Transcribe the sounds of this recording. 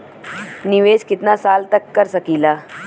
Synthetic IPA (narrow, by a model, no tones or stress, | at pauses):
niʋeskit̪nasalt̪əkːəɾsəkila